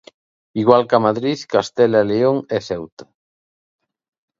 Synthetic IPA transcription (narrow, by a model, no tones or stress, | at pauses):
iɣwalkamaðɾiθkast̪ɛlaeleoŋɛθɛwt̪ḁ